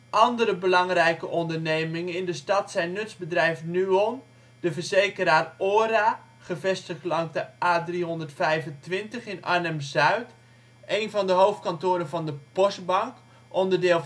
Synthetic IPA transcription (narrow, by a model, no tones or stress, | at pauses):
ʔɑndəɾəbəlɑŋrɛjkəʔɔndərnejmɪŋənɪndəstɑtsɛjnːɵtsbədrɛjvənyɔm | d̥əvərzejkəɾaːroːɾa | χəvɛstəχtlɑŋzdəʔaːdriɦɔndərtfɛjvəntʋɪntəχɪna̰nɛmzœɥt | ʔejnvɑndəɦowft̚kantʊːɾənvɔndəpɔst̚bɑŋk | ʔɔndərdɪːlˠ